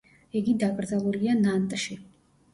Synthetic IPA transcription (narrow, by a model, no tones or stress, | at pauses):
iɡid̪akʼɾd̪zalˠulianant̪ʼʃi